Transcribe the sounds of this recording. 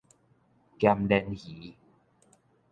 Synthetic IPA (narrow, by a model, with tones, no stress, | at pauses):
kja˧mdɛ˧nhi˨˦